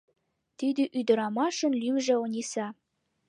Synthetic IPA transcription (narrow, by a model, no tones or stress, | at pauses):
t̪id̪yʔyd̪ə̆ɾɑmɑʃə̆nlymʒĕonʲisɑ